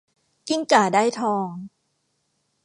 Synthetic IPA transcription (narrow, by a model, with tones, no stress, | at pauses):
ki˥˩ŋt͡ɕaː˨˩daː˥˩jt̪ʰɔː˧ŋ